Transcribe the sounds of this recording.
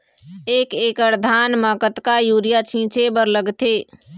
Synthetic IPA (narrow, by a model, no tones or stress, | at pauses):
eːkeːkəɾd̪ʱanməkət̪kajuːɾijat͡ʃʰĩt͡ʃebəɾləɡt̪e